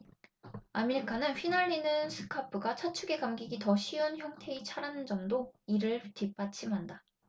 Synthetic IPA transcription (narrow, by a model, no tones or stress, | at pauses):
ameɾikʰanɯnɸinaɭːinɯnsʰɯ̥kʰapʰɯɡat͡ɕʰat͡ɕʰuɡe̞kamɡiɡitʌɕʰiʌnçjʌŋtʰe̞it͡ɕʰaɾanɯnd͡ʑʌmdoiɾɯɭtip͈at͡ɕʰimɦanda